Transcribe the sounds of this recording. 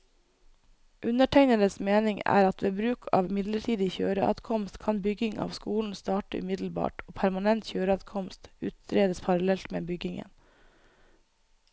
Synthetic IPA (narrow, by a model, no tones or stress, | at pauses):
ʔʉnəʈʰæɪnələsmeːnɪŋæ̰ːɾɑt̪ʋeːbɾʉːkʰɑ̰ːʋmɪd̪ləʈʰiːd̪ɪçø̰ːɾəʔɑ̰d̪kʰɔmst̪kʰɑnbʏɡɪŋʔɑ̰ːʋskuːln̩st̪ɑːʈəʔʉ̰mɪd̪l̩bɑ̰ːʈoːpʰæɾmɑnɛnt̪çøːɾəɑd̪kʰɔmst̪ʉːt̪ɾeːd̪əspʰɑɾɑlɛlt̪mḛːbʏɡɪŋə̰n